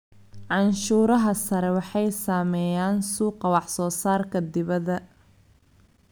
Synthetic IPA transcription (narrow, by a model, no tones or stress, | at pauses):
ʕɑnʃuːɾɐɦɐsɐɾɛwɑħɑjsaːmɛːjaːnsuːqɑwɑħsɔːsaːrkʰɐd̪ɪβɐðɐ